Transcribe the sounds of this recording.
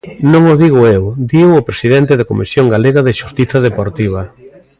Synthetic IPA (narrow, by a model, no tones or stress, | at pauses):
nõŋoðiɣʊewd̪iwʊpɾesiðent̪ɪðakomisjoŋɡaleɣɐðɪʃust̪iθɐðepoɾt̪iβ̞ɐ